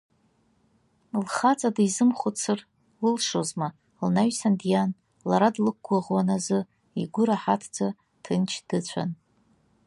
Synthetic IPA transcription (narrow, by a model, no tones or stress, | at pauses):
lχat͡sʼadiizɨmχʷʊt͡sʰɨr | lɨlʂozma | lnaɥsandjan | laɾadlɨk̚ʷʰɡaʁwanazɨ | iɡʷʊɾaħatʰd͡za | tʰɨnt͡ʃʰd̥ɨt͡ɕʷʰa̰n